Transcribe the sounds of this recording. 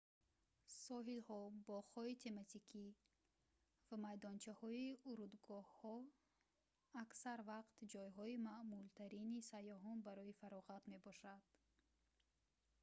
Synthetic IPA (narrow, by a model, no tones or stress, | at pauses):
sɔɦilhɔbɔʁɔit̪ʰe̞mat̪ikʰi | vamajd̪ɔnt͡ʃʰahɔiuɾud̪ɡɔhhɔ | aksaɾvaqt̪d͡ʒɔjɦɔimaʔmult̪ʰaɾinisajɔɦɔnbaɾɔifaɾɔʁat̪me̞bɔʃad̪̥